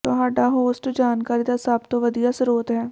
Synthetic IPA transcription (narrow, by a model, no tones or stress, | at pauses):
t̪oɦaːɖaɦoːsʈd͡ʒaːnkaːɾid̪asaːbt̪oʋɐd̪ijasɾoːt̪ɦɛː